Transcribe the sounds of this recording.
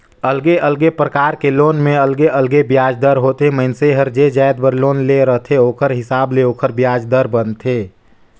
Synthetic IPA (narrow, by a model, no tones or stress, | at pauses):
əlɡeʔəlɡepɾəkaːɾkeloːnmẽɐlɡeʔəlɡebjaːd͡ʒd̪əɾɦoːt̪eməɪnseɦəɾd͡ʒed͡ʒaːjd̪̚bəɾloːnleɾəɦt̪ʰeoːkʰəɾɦɪsaːbleoːkʰəɾbjaːd͡ʒd̪əɾbənt̪ʰeː